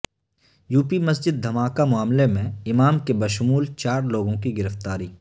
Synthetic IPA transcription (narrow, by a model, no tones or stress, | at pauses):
juːpimɐs̬d͡ʒɪd̪̚ːɐmaːkamʊaːmlemẽɪmaːmkebɐʃʊmuːlt͡ʃaːɾloːɡõkiɡɪɾəft̪aːɾiː